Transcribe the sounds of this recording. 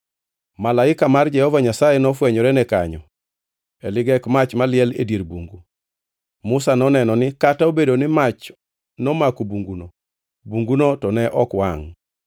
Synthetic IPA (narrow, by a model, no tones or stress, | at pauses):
malaɪkamard͡ʒɛhɔvaɲasajɛnɔfwɛɲɔɾɛnɛkaɲɔ̰ | ɛlɪɡɛkmat͡ʃmalɪɛlḛdjeɾbuŋɡu | mʊsanɔnɛnɔnɪkataobedonɪmat͡ʃ | nɔmakubuŋɡuno | buŋɡunotɔnɛʔɔkwa̰ŋ